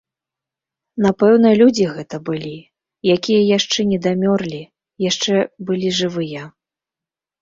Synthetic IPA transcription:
napɛwnɐlʲud͡zʲiɣɛt̪ɐbɨlʲi | jakʲijɐjaʂt͡ʂɛnʲɛd̪amʲɔrlʲi | jaʂt͡ʂɛbɨlʲiʐɨvɨjɐ

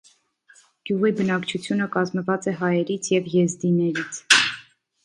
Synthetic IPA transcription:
ɡ̥juʁibənɑkt͡ʃʰut͡sʰjunəkɑzməvɑt͡sɛɦɑjɛɾit͡sʰjɛvjɛzd̪inɛɾit͡sʰ

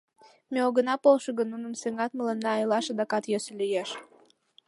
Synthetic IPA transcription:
meoɣənɑpolʃəɣənːunəmseŋɑt̪mələnːɑɑjlɑʃɑd̪ɑkɑt̪jøsĕlyjeʃ

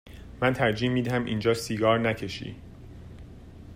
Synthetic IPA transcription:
mænt̪ʰæɾd͡ʒiːmːiːd̪æhæmʔḭːnd͡ʒɒːsiɡɒːɾnæcʰe̞ʃḭː

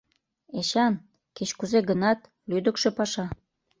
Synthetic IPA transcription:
eɕɑn | ket͡ɕkuzeɡənɑt̪ | lyd̪ə̆kʃĕpɑʃɑ

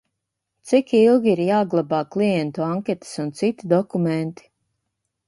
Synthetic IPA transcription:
t̪sikilˠɡʲiiɾjaːɡlˠabaːklˠijɛnt̪uaŋkʲɛt̪ɨ̥sunt̪sit̪id̪ɔkumɛnt̪i̥

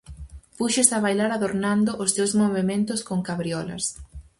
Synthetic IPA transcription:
puʃɪsaβajlaɾaðoɾnand̪ʊʔʊst̪ewzmoβemẽnt̪ʊskoŋkaβɾiɔlɐ̰s

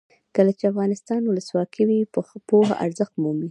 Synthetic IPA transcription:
kəlat͡ʃeafɣɑnɪst̪ɑnwʊləswɑkʰiwipoɦa̰ʔa̰ɾzəxt̪mumli

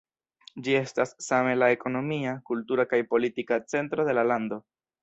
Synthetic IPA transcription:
d͡ʒie̞stasːame̞lae̞ko̞no̞miakultuɾakajpo̞litikat͡se̞ntɾo̞de̞lalando̞

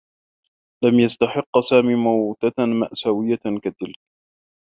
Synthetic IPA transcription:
lamjast̪aħɪqːsaːmiːmawt̪amaʔsawɪjːakat̪ːɪlk̚

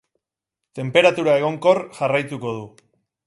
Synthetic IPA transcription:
t̪e̞mpe̞ɾat̪uɾae̞ɣo̞ŋko̞rʝarajt̪uko̞ð̞u

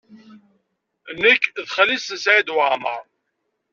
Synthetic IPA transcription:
nːəkːðχəlisəsʕid̪wʕmə̰ɾˤ

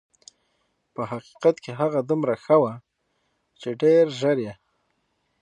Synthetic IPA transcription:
pəɦaqi̥qat̪keɦaɣad̪umɾaxəwa | t͡ʃeɖeɾʒəɾje

